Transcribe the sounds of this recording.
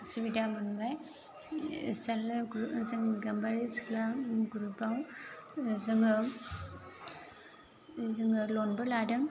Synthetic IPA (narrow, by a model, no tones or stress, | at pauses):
siβidamanbaj | salɡɾzaŋɡambaɾisklaɡuɾubaw | zɯŋɯ | zɯŋɯlonbɯladɯŋ